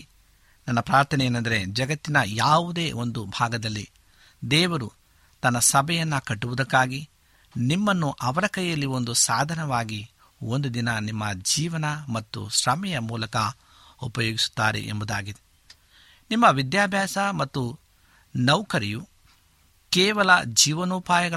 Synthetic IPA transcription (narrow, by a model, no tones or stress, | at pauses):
nɐnːɐpɾaːɾt̪ʰɐnɛjeːnɐnd̪ɐɾed͡ʒɐɡɐt̪ːinɐjaːʋud̪e̞ːʔo̞nd̪ubʱaːɡɐd̪ɐlːi | d̪ɛːʋɐɾu | t̪ɐnːɐsɐbʱɛjɐnːɐkɐʈːuʋud̪ɐkːaːɡi | nimːɐnːuʔɐʋɐɾɐkɐjjɐlːio̞nd̪usaːd̪ʱɐnɐʋaːɡi | ond̪ud̪inɐnimːɐd͡ʒiːʋɐnɐmɐt̪ːṵʃɾɐmɛjɐmuːlɐkɐ | upɐjoːɡisu̥t̪ːaːɾḛʔembud̪aːɡid̪e | nimːɐʋid̪jaːbʱjaːsɐmɐt̪ːu | nɐwkɐɾiju | kɛːʋɐlɐd͡ʒiːʋɐnuːpaːjɐɡɐ